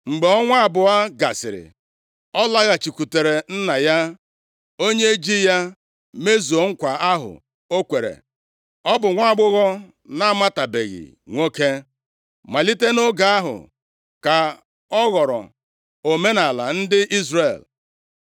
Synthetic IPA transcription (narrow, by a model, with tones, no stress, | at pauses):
ŋ͡m̩˨ɡ͡be˨ɔ˦ŋʷa˦a˦˨bʊ˨a˦ɡa˨sɪ̰˨ɾɪ̰˨ | ɔ˦la˦ɣa˨t͡ʃi˨kʷu˨te˨ɾe˨n̩˦na˨ja˦ | o˦ɲe˦e˦d͡ʒi˦ja˦ | me˦zo˨ŋ̩˦kʷa˨a˦ɦʊ̰˨ | o˦kʷe˨ɾḛ˨ | ɔ˦bʊ˨ŋʷa˦˨ɡ͡bʊ˦ɣɔ˦ | na˦˨ma˦ta˨be˨ɣḭ˨ | ŋʷo˦ke˦ | ma˨li˦te˦no˦ɡa˨a˦ɦʊ̰˨ | ka˨ | ɔ˦ɣɔ˨ɾɔ̰˨ | o˨me˦na˨la̰˨n̩˦dɪ˦ʔi˦zre˨l